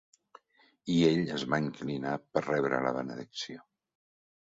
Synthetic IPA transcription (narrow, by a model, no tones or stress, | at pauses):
ieʎəzβaiŋklinapərɛβ̞ɾə̰lə̰βənəðiksio